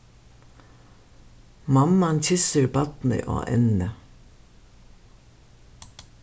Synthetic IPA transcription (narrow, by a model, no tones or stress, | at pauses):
mɑmɑnt̪ʰɪsəɾbɑt̪n̩ə̰ʔo̰ːʔɛ̰nə